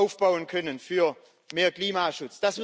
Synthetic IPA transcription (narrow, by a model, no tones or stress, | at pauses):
ʊfb̥aʊənkʰœnənfyːɐ | meːɐkliːmaːʃʊt͡sd̥asm